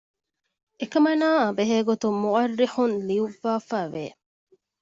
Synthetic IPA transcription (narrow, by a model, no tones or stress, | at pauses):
ekɐmɐnaːɐbeɦeːɡot̪umuɐrːiħunliuʋːaːfæːʋeː